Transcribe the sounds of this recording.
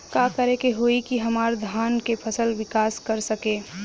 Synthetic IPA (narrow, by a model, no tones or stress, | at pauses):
kaːkəɾekeɦoikiɦɐmaːɾd̪ʱaːnkepʰɐsəlʋɪkaːskɐɾsəkẽː